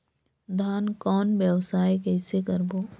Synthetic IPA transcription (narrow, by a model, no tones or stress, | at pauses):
d̪ʱaːnkɔːnʋjəʋsaːjkɛːsekəɾboː